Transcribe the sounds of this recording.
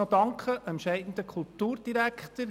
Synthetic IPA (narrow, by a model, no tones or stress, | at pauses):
od̪ɑŋkʰəʔɛnʃɛɪd̥ən̩d̪əkʰulˠtuːɾd̥iɾækχt̪əɾ